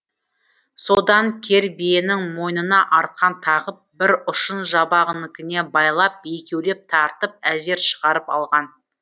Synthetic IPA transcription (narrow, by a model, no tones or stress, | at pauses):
so̞d̪ɑŋkʲʰe̞ɾbijenɪŋmo̞jnənɑʔɑɾqɑnt̪ʰɑʁəp̚bɪɾʊʃənʒɑbɑʁənɪkʲɪne̞bɑjlˠɑp̚bejkʲewle̞p̚t̪ʰɑɾt̪əp̚æze̞ɾʃəʁɑɾəpɑ̰lˠʁɑn